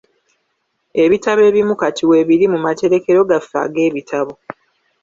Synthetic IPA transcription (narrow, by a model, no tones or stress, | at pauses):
e̞βitaβe̞ːβimukatʰiwe̞βiɾimumateɾe̞ke̞ɾo̞ɡafa̰ɡe̞ːβitʰaβo̞